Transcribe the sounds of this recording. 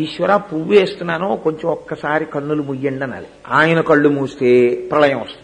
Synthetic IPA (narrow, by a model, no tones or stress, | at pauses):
iʃʋɐɾaːpuːʋeːst̪unːaːnoːko̞ɲt͡ʃomɔkːɐsaːɾikɐɳːulumujːeɳɖɐnːa̰ːli | aːjɐnɐkɐɭːumuːst̪e̞ːpɾɐlɐjɐmɐst̪u